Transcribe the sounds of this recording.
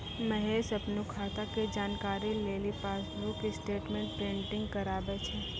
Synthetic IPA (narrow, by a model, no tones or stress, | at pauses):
mɛɦeːsɐpnukʰaːt̪aked͡ʒaːnkaːɾileːlipaːslukisʈeːʈmẽːɳʈ̚pɾẽːʈɪ̃ŋɡ̚kɐɾaːbet͡ʃʰɛː